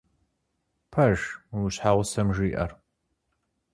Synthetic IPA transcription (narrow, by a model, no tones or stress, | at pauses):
pʰɐʒuɕħaːʁʷsɐmʒiːʔɐ̰r